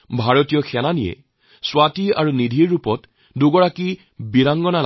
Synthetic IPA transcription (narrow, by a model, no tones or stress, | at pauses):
bʱaɹɔtijɔxʰɛnanijɛ̰ | swatia̰ɹunidʱiɹːupɔt | duɡɔɹaki | biɹaŋɡɔnal